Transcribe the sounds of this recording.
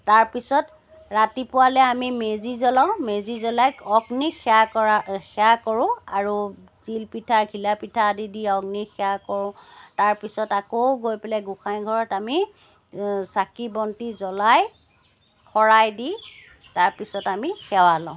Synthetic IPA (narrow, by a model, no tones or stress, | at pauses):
taɹpisɔt | ɹatipʊwalɛamimezizɔlaʊ̃mezizɔlajɔɡnixʰɛaɔaxɛakɔɹʊ̃a̰ɹu | zilpitʰakʰilapitʰaːdidiɔɡnixɛakɔɹʊ̃taɹpisɔtakowɡojpɛlɛɡuxajnɡʱɔɹɔtami | sakibɔntizɔlaj | kʰɔɹajdi | taɹpisɔtamixɛwalɔ̃ʊ̃